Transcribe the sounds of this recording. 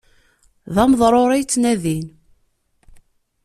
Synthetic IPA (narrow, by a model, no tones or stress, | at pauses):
ðɑməðˤɾˤoɾˤijt͡sːnæðin